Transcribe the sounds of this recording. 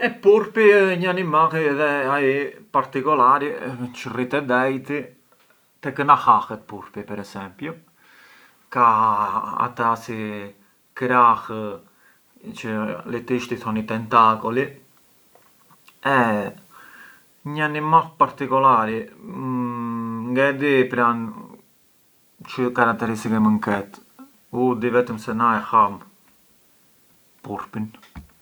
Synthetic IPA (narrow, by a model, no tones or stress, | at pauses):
ɛpːuɾpiɲanimaɣiðɛaipaɾt̪ikɔlaːɾit͡ʃirit̪ɛd̪ɛjt̪i | t̪ɛkənaxaxɛpːuɾpipɛɾɛsɛmpju | ka | a̰t̪asi | kɾax | t͡ʃəlɛt̪iʃt̪iθɔnit̪ɛnt̪akɔli | ɛ | ɲanimapaɾt̪ikɔlaɾi | ŋɡad̪ipɾan | t͡ʃəkaɾak̚t̪ɛɾist̪ikɛməŋkɛt̪ | ud̪ivɛt̪əmsɛnajxam | puɾpin